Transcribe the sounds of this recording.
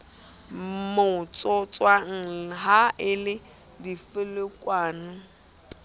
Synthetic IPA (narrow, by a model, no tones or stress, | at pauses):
mot͡sʼɔt͡sʼwaŋ̩ɦaʔɪlɪ | difɪlɪkʼwaːnʊ